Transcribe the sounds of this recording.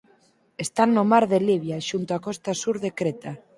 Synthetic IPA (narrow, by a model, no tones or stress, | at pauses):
est̪annːomaɾðeliβjaʃunt̪oakɔst̪asuɾðekɾet̪a